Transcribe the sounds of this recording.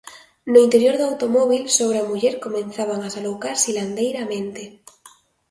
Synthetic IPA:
noint̪eɾjoɾðawt̪omɔβ̞ilsoβ̞ɾamuʎeɾkomẽnθaβ̞aŋasalowkaɾsiland̪ejɾamẽnt̪e

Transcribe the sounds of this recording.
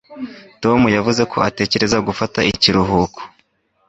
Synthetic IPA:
to̞mujavuze̞kʰo̞ate̞ːce̞ɾe̞zaɡufataiciɾuɦuːkʰo̥

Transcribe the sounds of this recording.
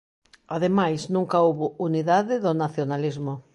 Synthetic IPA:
aðemajznũŋkaoβʊuniðaðɪðʊnaθjonalizmʊ

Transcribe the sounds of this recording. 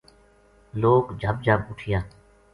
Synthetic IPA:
loːkd͡ʒʱəbd͡ʒʱəbʊʈʰɪjaː

